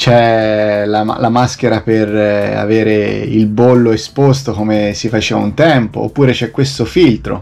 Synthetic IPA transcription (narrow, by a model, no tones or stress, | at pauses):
t͡ʃɛla̰lamask̟eɾapera̰veːɾeilbolːoespost̪okomesifat͡ʃeːvaunt̪ɛmpo̰ːpːuːɾet͡ʃɛkːwest̪ofilt̪ɾo̰